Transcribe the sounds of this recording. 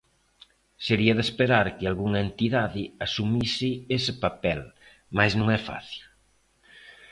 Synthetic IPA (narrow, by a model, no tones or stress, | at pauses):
seɾiɐðespeɾaɾkɪalɣuŋɐent̪iðaðɪasumisɪesɪpapɛl | maznũŋɛfa̰θil